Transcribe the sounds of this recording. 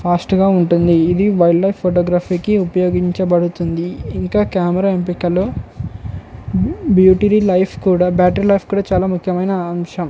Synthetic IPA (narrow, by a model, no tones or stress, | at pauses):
pʰaːsʈɡaːuɳʈund̪iːd̪iʋɐjɖlɐjpʰːoʈɔːɡɾaːpiːkiupɐjoːɡiɲt͡ʃɐbɐɽut̪und̪iːŋkaːkaːmɐɾaːempikɐloː | bjuːʈiɾilɐjpʰkuːɽaːbaːʈɐɾilɐjpʰkuːɽaːt͡ʃaːlaːmukʰjɐmɐjnɐːmʂɐm